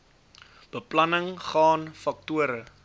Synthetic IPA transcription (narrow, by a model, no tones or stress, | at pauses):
b̥əplɐnəŋχɑːnfɐk̚tuəɾə